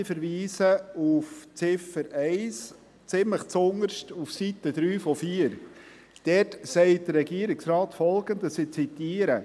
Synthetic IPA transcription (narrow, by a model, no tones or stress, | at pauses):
ɪfəɾʋiːsəuft͡sɪfəɾɛɪs | t͡sɪmləχt͡sʊŋəɾʃtufsit̪əd̪ɾyːfɔfiːəɾ | d̥ɛtsɛɪt̚d̥ərːɛɡiəɾɪksɾɑːtfɔlɡəntəsɪt͡sit̪iːəɾə